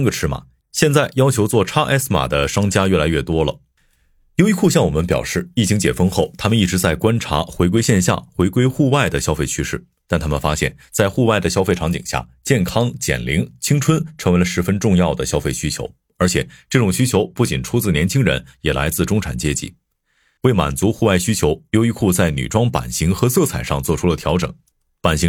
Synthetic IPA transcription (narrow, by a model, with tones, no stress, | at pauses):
nɡə˨˧ʈ͡ʂʰɻ̩˥ma̰˨˩ | ɕjɛ˥˧nt͡sa˥˩ɪjɑ˥ʊt͡ɕʰjo˧˥ʊt͡swɔ˥˩ʈ͡ʂʰa˥ʔɛ˥sma̰˨˩d̪ə˦ʂɑ˥ŋt͡ɕja˥ɥɛ˥˩la˧˥ɪɥɛ˥˩t̪wɔ˥lə̰˨ | jo˧ʊi˧˥kʰu˥˧ɕjɑ˥˩ŋwɔ˨˩mə˦npjɑ̰˨˩ʊʂɻ̩˥˩i˥˩t͡ɕʰi˧˥ŋt͡ɕjɛ̰˨˩fɤ˥ŋxo˥˩ʊt̪ʰa˥mə˨ni˥˩ʈ͡ʂɻ̩˧˥t͡sa˥˩ɪkwa˥nʈ͡ʂʰa̰˧˥xwe˧˥ɪk̬we˥ɪɕjɛ˥˧nɕja̰˥˩xwe˧˥ɪkwe˥ɪxu˥˧wa˥˩ɪd̪ə˩ɕjɑ˥ʊfe˥˩ɪt͡ɕʰy˥ʂɻ̩˥˩ | t̪a˥˩nt̪ʰa˥mə˨nfa˥ɕjɛ̰˥˩n | t͡sa˥˧ɪxu˥˧wa˥˩ɪd̪ə˩ɕjɑ˥ʊfe˥˩ɪʈ͡ʂʰɑ˧˥ŋt͡ɕḭ˨˩ŋɕja̰˥˩t͡ɕjɛ˥˩nkʰɑ˥ŋt͡ɕjɛ̰˨˩nli˧˥ŋt͡ɕʰi˥ŋʈ͡ʂʰwə˥nʈ͡ʂʰɤ˧˥ŋwe˧ɪlə˧ʂɻ̩˧˥fə˥nʈ͡ʂʊ˥˧ŋjɑ˥˩ʊd̪ə˩ɕjɑ˥ʊfe˥˩ɪɕy˥t͡ɕʰjo˧˥ʊ | ə˞˧˥t͡ɕʰjɛ˨˩ʈ͡ʂɤ˥˩ʈ͡ʂʊ˨˩ŋɕy˥t͡ɕʰjo˧˥ʊpu˥˩t͡ɕi˨˩nʈ͡ʂʰu˥t͡sɹ̩˥˩njɛ˧˥nt͡ɕʰi˥ŋɻə̰˧˥njɛ˨˩la̰˧˥ɪt͡sɹ̩˥˩ʈ͡ʂʊ˥ŋʈ͡ʂʰa̰˨˩nt͡ɕjɛ˥t͡ɕḭ˥˩ | we˥˩ɪma̰˨˩nt͡su˧˥xu˥˧wa˥˩ɪɕy˥t͡ɕʰjo˧˥ʊjo˧˥ʊi˧˥kʰu˥˧t͡sa˥˩ɪny̰˨˩ʈ͡ʂwɑ˥ŋpa̰˨˩nɕi˧˥ŋxɤ˧˥sɤ˥˩t͡sʰa˨˩ɪʂɑ˥˧ŋt͡swɔ˥˩ʈ͡ʂʰu˥lə˨t̪ʰjɑ˧˥ʊʈ͡ʂɤ̰˨˩˦ŋ | pa˨˩nɕi˧˥